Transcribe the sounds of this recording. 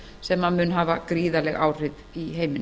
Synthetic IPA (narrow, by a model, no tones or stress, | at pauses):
sɛmːaðmʏnɦaːvakɾiːðalɛɣa̰ːwr̥ɪð | iɦeːjmɪn